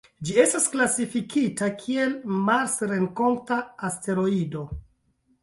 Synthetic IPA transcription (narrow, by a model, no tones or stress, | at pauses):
d͡ʒie̞stasklasifikitakʰie̞lmaɾsɾe̞ŋko̞ntaːste̞ɾo̞ido̞